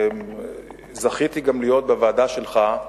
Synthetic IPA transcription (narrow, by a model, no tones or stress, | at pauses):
m | zaχit̪iɡamlijo̞t̪̚bevaːdaʃelχa